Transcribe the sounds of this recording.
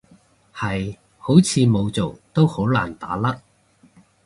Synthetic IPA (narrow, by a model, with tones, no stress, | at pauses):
hɐ˨j | ho˨˥wt͡sʰiː˨˧mo˨˧wt͡so˨˩wt̪o˥who˨˥wlaː˨˩nt̪a̰ː˨˥lɐ˥k̚